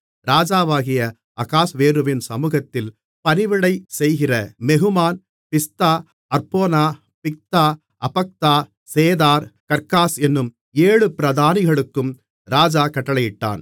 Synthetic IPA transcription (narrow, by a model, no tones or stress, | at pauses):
ɾaːd͡ʒaːʋaːɣɪjɐ | ɐɣaːsʋeːɾɯʋɪnsɐmuːɣɐt̪ːɪl | pɐnɪʋɪɽɐɪsɛjɣɪrɐmɛɣɯmaːn | pɪst̪aː | ɐɾpoːnaː | pɪk̚t̪aː | ʔɐpɐk̚t̪aː | seːðaːɾkɐɾkaːsɛnːɯm | eːɻɯpɪɾɐðaːnɪɣɐɭɯkːɯm | ɾaːd͡ʒaːkɐʈːɐɭɐjɪʈːa̰ːn